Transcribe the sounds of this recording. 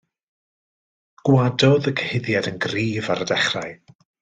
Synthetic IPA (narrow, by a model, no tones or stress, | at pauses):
ɡ̥wadɔðəkʰəhɪðjadənɡriːvaɾədɛχra̰j